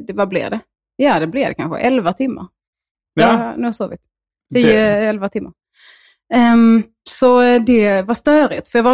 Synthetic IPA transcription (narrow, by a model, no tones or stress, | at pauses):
d̪vablɪ̰vd̪ɛ | jɑd̪ɛblɪd̪ɛ̰kʰa̰nɧə̰ʔɛlvat̪ʰɪmːa̰ɾ | nʉːhasoːvɪt̪ | t̪ʰːiːəɛlvat̪ʰɪmːaɾ | ɛ | sɔd̪ɛvast̪œːɾɪ̰t̪fœɾjaɡva